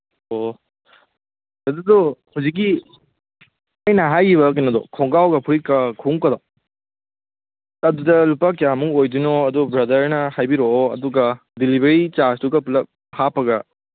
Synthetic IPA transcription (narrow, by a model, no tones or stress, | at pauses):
o | nɐdɐdɔhuzik̬ːi | ajnɐɦajiβɐk̬inɐdɔ̰kʰɔŋɡawɡɐpʰuɾikɐkʰuŋkɐdɔ | ɐdudɐlupak̬ijamuŋojdunoɐdɔbɾɐdɐɾnɐhajbiɾoɐ̰duɡɐ | dilibeɾit͡ʃastuɡɐpulɐp̚ | hapɐɡɐ